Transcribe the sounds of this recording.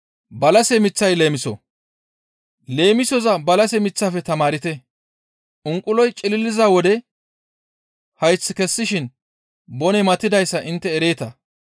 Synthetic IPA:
bɐlɐsɛmɪt͡sːɐjle̞ːmɪsɔ̰ | le̞ːmɪsɔzɐbɐlɐsɛmɪt͡sːaːfɛt̪ɐmaːɾɪt̪ɛ | ʔʊŋkʼːʊlɔjt͡ʃʼɪlɪlːɪzaːwɔd̪ɛ | hɐjt͡sːɪkɛsːɪʃɪn | bɔnɛmɐt̪ːɪd̪ɐjsːɐʔɪnt̪ːɛːɾe̞ːt̪ɐ

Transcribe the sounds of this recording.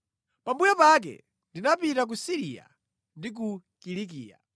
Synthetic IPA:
pambujapak̬ɛ̰ | ndinapitak̬usiɾija̰ | ndik̬u | kiɾik̬iːja̰

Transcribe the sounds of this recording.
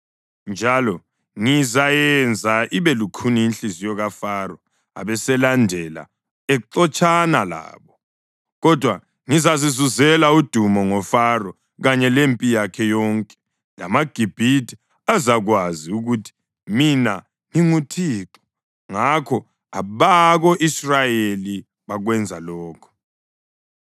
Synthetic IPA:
nd͡ʒʱalɔ | ŋizajɛnd͡zʱaʔiβɛlukʰuniinɬizijɔɣafarɔ | a̰βɛsɛlandʱɛla̰ | ɛǃɔt͡ʃʼanala̰ːβɔ | ɣɔd̥ʱwa | ŋizazizuzɛlaud̥ʱumɔŋɔfarɔ | ɣaɲɛlempʼijakʰɛjɔːŋkʼɛ̥ | la̰maɡ̥ʱib̥ʱitʰʼi̥ | azaɣwaziuɣutʰi̥ | mina | ŋiŋutʰiːǁɔ̥ | ŋakʰɔ | aβaɣɔʔisrajeli | βaɣwɛnd͡zʱalɔːkʰɔ̥

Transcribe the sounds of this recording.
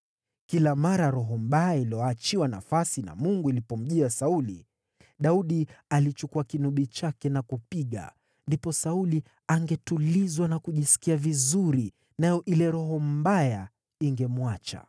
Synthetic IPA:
kilamaɾaɾɔɦɔm̩ɓajailiɔat͡ʃiwana̰fasina̰muŋɡuilipɔm̩ʄiasaulḭ | ɗauɗialit͡ʃukuakinuɓit͡ʃakɛnakupiɠa̰ | ndipɔsauli | aŋɡɛtulizwanakuʄisi̥kiavizuɾi | najɔʔilɛɾɔɦɔm̩baja | iŋɡɛmwat͡ʃa̰

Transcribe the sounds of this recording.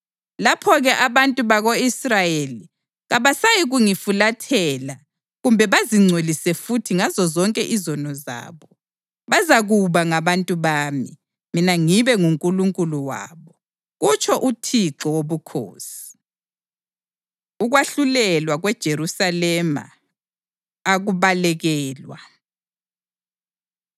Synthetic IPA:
lapʰɔɣɛʔaβantʼuβaɣoisrajeli | ɣaβasajiɣuŋifulatʰɛla | ɣumbʱɛβaziŋ͡ǀʱwelisɛfutʰiŋazɔzɔŋkʼɛʔizɔnɔza̰ːβɔ | βazaɣuβaŋaβantʼuβaːmi | minaŋiβɛŋuŋkʼuluŋkʼuluwa̰ːβɔ | ɣut͡ʃʰʼɔʔutʰiǁɔwoβukʰo̰ːsi̥ | uɣwaɬulɛlwaɣwɛd̥ʒ̥ʱerusalɛma̰ | aɣuβalɛɣɛːlwa

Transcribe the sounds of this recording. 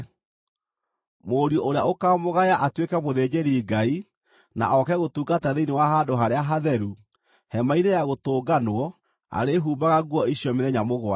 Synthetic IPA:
moːɾjɔʔoɾejaʔokamoɣajaʔatwekɛmoðed͡ʑeɾiɡai | na̰ʔɔkɛɣotuːɡataðeinewaɦadoɦaɾeaɦaðɛɾu | hɛmainejaɣotoːɡanwɔ | a̰ɾeɦuːmbaɣaɡwɔiɕjɔmeðɛɲamoɣwa

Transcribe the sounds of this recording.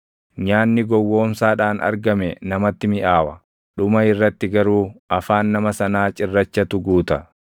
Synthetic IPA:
ɲaːnːɪɡɔwːo̞ːmsaːᶑaːnʔɐ̰ɾɡɐmɛnɐmɐt̪ːɪmɪʔaːwɐ | ᶑʊmɐɪrːɐt̪ːɪɡɐɾuːɐfaːnːɐmɐsɐnaːt͡ʃʼɪrːɐt͡ʃːɐt̪ʊɡuːt̪ɐ

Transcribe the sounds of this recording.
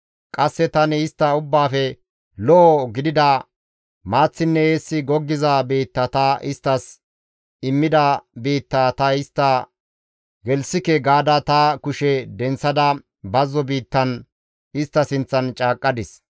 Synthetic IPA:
kʼɐsːɛt̪ɐnɛɪst̪ːɐʊbːaːfɛ | lɔʔːɡɪd̪ɪd̪ɐ | maːt͡sːɪnːɛeːsːɪɡɔɡːɪzɐbiːt̪ːɐt̪ɐʔɪst̪ːɐs | ɪmːɪd̪ɐbiːt̪ːaːt̪ɐɪst̪ːɐ | ɡɛlsɪkɛɡaːd̪ɐt̪ɐkʊʃɛd̪ɛnt͡sːɐd̪ɐ | bɐzːɔbiːt̪ːɐn | ɪst̪ːɐsɪnt͡sːɐnt͡ʃʼaːkʼːɐd̪ɪs

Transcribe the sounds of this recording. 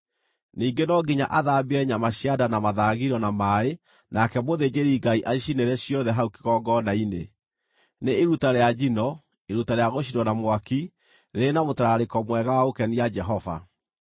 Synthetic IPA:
niːɡenɔɡiɲa̰ʔaðabiɛɲamaɕjadanamaðaːɣiɾɔnamae | nakɛmoðed͡ʑeɾiɡaiʔaʃineɾɛɕjɔðɛɦauki̥ɣɔɡɔnainḛ | neːɾutaɾead͡ʒinɔ | eɾutaɾeaɣoʃ̬idɔnamwaki | ɾenamotaɾaɾekɔmwɛɣawaokɛniad͡ʒɛɦɔva̰

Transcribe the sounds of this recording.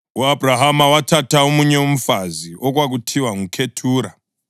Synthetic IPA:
uabʱraɦamawatataomuɲeom̩faziʔok̬wak̬utʰiwaŋukʰetʰuːɾa

